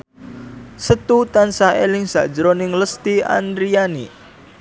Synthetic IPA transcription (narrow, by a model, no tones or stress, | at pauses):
sət̪ut̪ansaelɪŋsa̰d̥d͡ʒəɾonɪŋləst̪ia̰nd̪ɾianḭ